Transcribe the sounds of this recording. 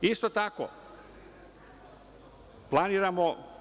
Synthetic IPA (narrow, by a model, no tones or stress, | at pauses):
ist̪ot̪ako̰ | plˠaniːɾamo